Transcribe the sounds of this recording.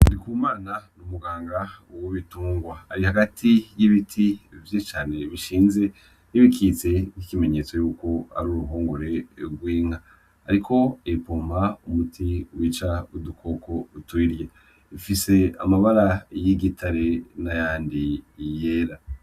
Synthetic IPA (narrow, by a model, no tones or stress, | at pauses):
ndikuːmaːnanumuɡaːŋɡawoβituːŋɡwaaɾihaɡatʰijiβitʰivjet͡ʃaːne̞βiʃiːnze̞ | niβikʰit͡se̞nikime̞ɲe̞ːt͡so̞juːko̞a̰ɾuɾuɦuːŋɡuɾe̞ɡwiːŋ̥aː | ɾikʰo̞epoːmaumutʰiwiːt͡ʃaudukʰo̞ko̞utwiːɾje | ifise̞a̰maβaɾajiɡitʰaɾe̞najaːndijeːɾa